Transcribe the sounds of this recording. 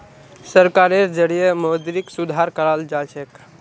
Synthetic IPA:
səɾkaɾeɾd͡ʒəɽijemod̪ɾiksud̪ʱaɾkəɾəld͡ʒat͡ʃʰek

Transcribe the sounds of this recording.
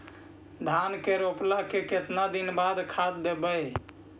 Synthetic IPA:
d̪ʱankeɾoplakeket̪nad̪inbad̪kʰad̪ːebəj

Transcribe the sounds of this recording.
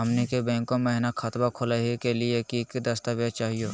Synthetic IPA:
ɦɐmnikebɛ̃ːŋkõmẽɦnakʰat̪bakʰʊlaɦikeliekikid̪ɐst̪aʋjet͡ʃaːɦijoː

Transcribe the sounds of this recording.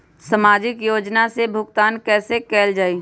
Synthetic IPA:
səmaːd͡ʒɪkjoːd͡ʒnasebʱʊkt̪aːnkɛːsekɛːld͡ʒaːiː

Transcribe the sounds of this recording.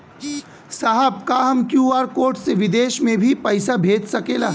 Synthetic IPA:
saɦəbkaɦɐmkjuːaːɾkoːɾʈseʋɪd̪eːʃmẽbʱipɐɪsabʱeːd͡ʒsɐkeːla̰ː

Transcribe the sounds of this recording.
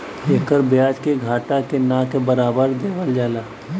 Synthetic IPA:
eːkəɾbjaːd͡ʒkeɡʱaːʈakenãkebəɾaːbəɾd̪eːʋəld͡ʒaːlaː

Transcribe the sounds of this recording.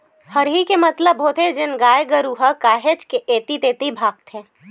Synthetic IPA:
həɾɦikemɐt̪ləbɦoːt̪ʰed͡ʒɪnɡaːjɡəɾuɦəkaːɦed͡ʒkeʔeːt̪it̪eːt̪ibʱaːɡ̚t̪ɦɛ̃ː

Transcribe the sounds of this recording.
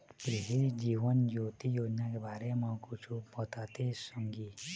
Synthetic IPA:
pɾiɦid͡ʒiʋənjot̪ijod͡ʒnakebʱaɾemakut͡ʃʰupɔt̪at̪esəŋɡi

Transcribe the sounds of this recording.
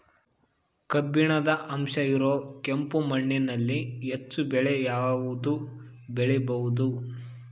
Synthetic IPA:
kɐbːiɳɐd̪ɐʔɐmʃɐiɾoːkempumɐɳːɛnɐlːiɦet͡ʃːubɛɭejaːʋud̪ubɛɭebɐʋud̪u

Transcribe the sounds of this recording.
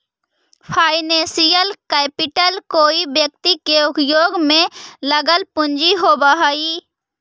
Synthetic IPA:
pʰaːɪnẽːsijəlkɛːpɪʈəlkoːibjək̚t̪ikeʊkjoːɡmẽləɡəlpʊɲd͡ʒiɦobaɦaːiː

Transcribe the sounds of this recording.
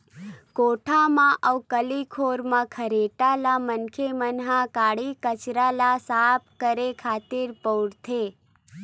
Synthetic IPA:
koʈʰamãʔəʋkəlikʰoɾmãkʰəɾeʈalamənkʰemənɦãkaːɽikət͡ʃɾalasap̚ʰkəɾekʰaːt̪ɪɾpəwɽt̪ʰe

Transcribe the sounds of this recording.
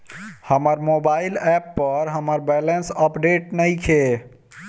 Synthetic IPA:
həməɾmoːbaːɪlɛːpːəɾɦəməɾbɛːlənsəpɖeːʈnəɦĩkʰeː

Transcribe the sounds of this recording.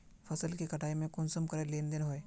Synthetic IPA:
fʰɐsəlkikɐʈaːimẽkʊnsəmkɐɾeleːnd̪ɪnɦoeː

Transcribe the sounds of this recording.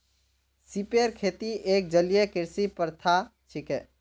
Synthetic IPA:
sipeɾkʰeːt̪iʔeːk̚d͡ʒəlijekɪɾsipəɾt̪ʰat͡ʃʰikɛː

